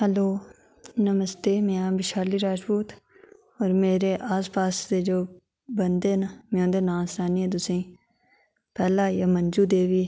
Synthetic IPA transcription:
həloː | nɐməst̪eːmẽãbɪʃaːliɾaːʃpuːt̪ | ɔːɾmeːɾeʔaːspaːsːed͡ʒoː | bɐnd̪enamẽõːd̪enãːsɾaːniɦɛ̃d̪ʊsẽː | pɛːlajamɐ̃nd͡ʒud̪eːʋiː

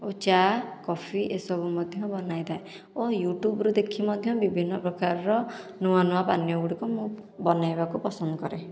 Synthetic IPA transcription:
ot͡ʃakɔpʰiʔesɔbumɔd̪ʱjɔbɔnajd̪ae | ojuʈjubɾud̪ekʰimɔd̪ʱjɔbibʱinːɔpɾɔkaɾɔɾɔ | nuanuapanjɔɡuɽikumũ | bɔnajbakupɔsɔnd̪ɔkɔɾe

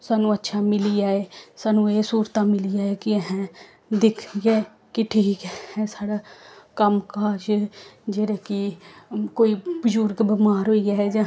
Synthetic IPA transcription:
saːnũːətːʃʰaːmɪliaːeːsaːnũːeːsuːɾt̪aːmɪliaːekiəɦɛ̃ | d̪ɪkʰɡɛː | kɪʈʰiːkhɛːsaːɽaːkəmkaːd͡ʒd͡ʒeːɾaːki | koːibəd͡ʒuɾɡbəmaːɾɦoːiaːɛd͡ʒãː

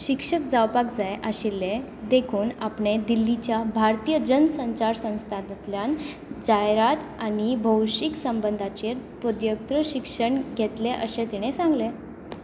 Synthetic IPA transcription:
ɕikʂək̚d͡zawpakd͡zajʔaɕilːe | d̪ekʰuːnapɳed̪ilːit͡ɕjabʱaɾt̪ijəd͡ʑənsə̃ɲt͡ɕaɾsə̃w̃st̪ʰad̪t̪ljan | d͡zajɾat̪aɽ̃ibʱəwɕiksəmbənd̪ʱat͡ɕeɾpəd̪jək̚t̪ɾəɕikʂəɳɡʱet̪leʔəɕet̪iɽ̃esãŋɡle

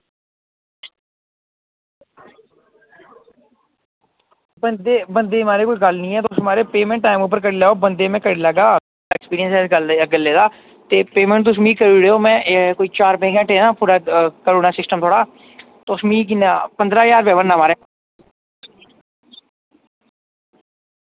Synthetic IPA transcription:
bənd̪eːbənd̪eːmaːɾeːkoːiɡəlnĩːɛːt̪osmaːɾeːpeːmɛ̃ːɳʈ̚ːaːɪmuːp̬əɾk̬əɽːlɛːoːbənd̪eːmɛ̃ːkəɽeːlɛɡaː | ɛːkspiːɾijə̃nsɛːɡəld̪eɡəlːeːd̪aː | t̪eːpeːmɛ̃ɳʈt̪ʊs̬miːkəɾiːɽeːoːmɛ̃ːkoːiːt͡ʃaːɾpẽːɡɛ̃ːʈẽːnãːpuːɾaːkəɾuːnaːsɪsʈəmt̪ʰoːɽaː | t̪ːʊsmĩːk̬ɪnapənd̪ɾaːjaːɾpɛːbənːaːmaːɾeː

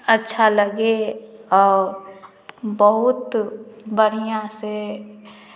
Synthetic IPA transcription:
ətːʃʰaləɡeɔːɾ | bəɦʊt̪bəɾijãse

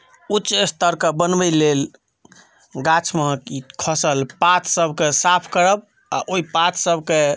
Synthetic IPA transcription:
utːʃest̪əɾkəbənbəjlel | ɡat͡ʃʰməɦkikʰəsəlpat̪ʰsəbʱkesapʰkəɾəb | aʔoipat̪ʰsəbʱke

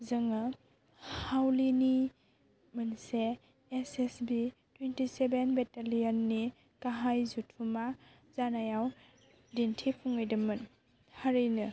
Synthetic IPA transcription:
zɐŋa | hawlini | mɐnseː | sesbitwentisebenbetalijanːi | kaɦajzutʰuma | zanajaw | dintʰipʰuŋɯjdɯmːɯn | haɾɯjnɯ

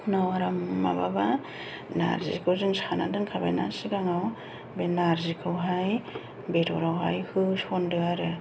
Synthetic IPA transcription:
nawaɾamma̰baba | na̰ɾzḭkʰɯwzɯŋsana̰dɯnkʰaba̰jna̰siɡaŋaw | benaɾzikʰɯwɦaj | betʰɔ̰ɾawɦa̰jhɯsɔndɯaɾɯ

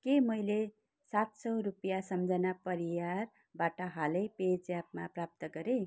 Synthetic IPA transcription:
kemʌjle | sat̪sʌwɾupjasʌmd͡zʌnapʌɾijar | baʈʌɦalʌjped͡zjap̚maprap̚t̪ʌɡʌɾe

